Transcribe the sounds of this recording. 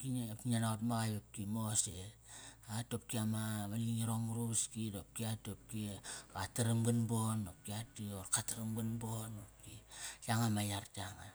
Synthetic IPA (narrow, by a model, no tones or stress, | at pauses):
kinpnanaotmaɣajbap̚kimose | atop̚kiamaβaliŋiɾoŋɾuskidop̚kiatop̚kikataɾaŋbunbonop̚kiatioɾkataɾaŋbunbonop̚kijaŋamajaɾtaŋa